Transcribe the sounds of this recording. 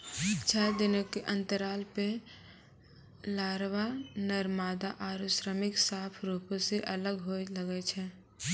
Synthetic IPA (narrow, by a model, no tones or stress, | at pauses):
t͡ʃʰɛːd̪ɪnõkeʔə̃nt̪əɾaːlpe | laːɾʋanəɾmaːd̪aʔaːɾuʃɾəmɪksaːpʰɾuːpõseʔələɡɦoːləɡɛt͡ʃʰɛ